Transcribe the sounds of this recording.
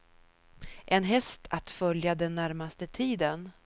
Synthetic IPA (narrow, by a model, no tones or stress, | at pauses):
ʔɛnɦɛst̪ʰat̪fœljad̪ɛnːæɾmast̪ət̪ʰiːd̪ən